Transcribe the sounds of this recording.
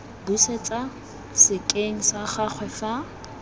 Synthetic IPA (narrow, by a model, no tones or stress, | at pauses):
buset͡sʼa | sɪkʼeŋ̩saχak͡xʰwɛfa